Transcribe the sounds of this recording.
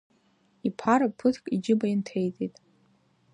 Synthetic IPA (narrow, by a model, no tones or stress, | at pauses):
ipʰaɾɨpʰɨtʰkʼid͡ʒɪbajintʰejtʼitʼ